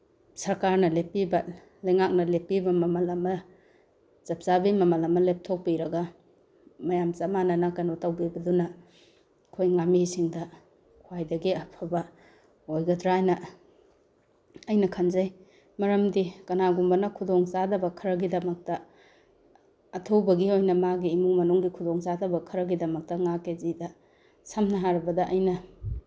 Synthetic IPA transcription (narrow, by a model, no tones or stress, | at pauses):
sɐɾkaɾnɐlepibɐ | lɐjŋak̚nɐlepibɐmɐmɐlɐmɐ | t͡ʃɐp̚t͡ʃabimɐmɐlɐmɐlep̚tʰok̚piɾɐɡɐ | mɐjamt͡ʃamanɐnɐkɐnotɐwbibɐdunɐ | kʰojŋamisiŋdɐ | kʰwajdɐɡiɐpʰɐbɐ | ojɡɐdɾajnɐ | ɐjnɐkʰɐnzɐj | mɐɾɐmdikɐnaɡumbɐnɐkʰudoŋt͡ʃadɐbɐkʰɐɾɐɡidɐmɐk̚tɐ | ɐtʰɐwbɐɡiojnɐmaɡiːmuŋmɐnuŋɡikʰudoŋt͡ʃadɐbɐkʰɐɾɐɡidɐmɐk̚tɐŋakezidɐ | sɐmnɐɦaɾɐbɐdɐʔɐjnɐ